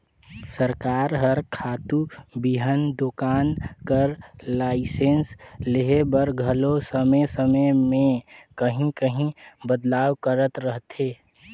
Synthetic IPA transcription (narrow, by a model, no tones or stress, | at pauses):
səɾkaɾɦəɾkʰaːt̪ubiɦənd̪okaːnkəɾlaɪsensleɦebəɾɡʱəlosəməjsəməmekəɦĩkəɦĩbəd̪laːwkəɾət̪ɾəɦt̪ʰe